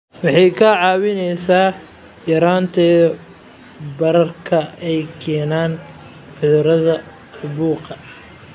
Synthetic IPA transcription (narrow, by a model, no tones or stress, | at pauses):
wɑħɑjkʰɐʕɑːwɪnɛjsaː | jɐɾaːnt̪ʰɛː | bɐɾɐrkʰɐɛjkʰɛːnaːn | ħʊðʊɾɐðɐ | ʊbuːqɐ